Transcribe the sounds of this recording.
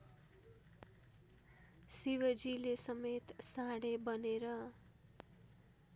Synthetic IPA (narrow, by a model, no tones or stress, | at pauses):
siwʌd͡zilesʌmet̪sãɽebʌneɾʌ